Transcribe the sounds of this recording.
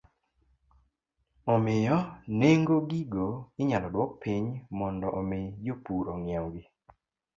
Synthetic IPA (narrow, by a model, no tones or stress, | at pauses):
ɔmɪjɔneŋɡoɡiɡoɪɲalɔdwɔk̚pʰiɲmɔndɔʔɔmɪjopuɾɔŋjawɡɪ